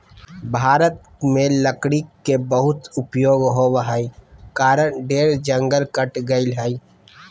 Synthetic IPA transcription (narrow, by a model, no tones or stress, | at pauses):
bʱaːɾət̪̚ | mẽləkɽikːebəɦʊt̪ʊpjoːɡɦowɦaikaːɾənɖeːɾd͡ʒə̃ŋɡəlkəʈɡɐilɦai